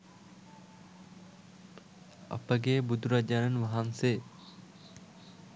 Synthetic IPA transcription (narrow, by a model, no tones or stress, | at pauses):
ɐ̰pəɡeːbud̪ʱuɾad͡ʒaːnɐnʋɐɦaŋseː